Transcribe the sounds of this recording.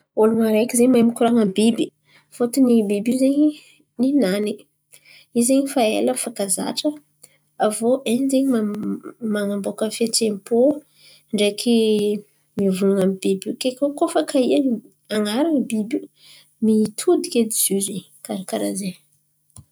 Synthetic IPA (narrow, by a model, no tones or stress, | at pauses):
olumaɾejkizemajmikʲuɾaŋambibi | fot̪unibibuzeɲi | ninani | izeɲifaḛləfakaza̰ʈ͡ʂə | avoʔenzeɲimamaŋambokəfetempo | ɳɖ͡ʐekʰi | mivunanamibibukekʲokofakʰaian | aŋaɾaŋəbibi | mit̪ʰud̪ikʲed̪iz̥uze | kaɾakaɾa̰ze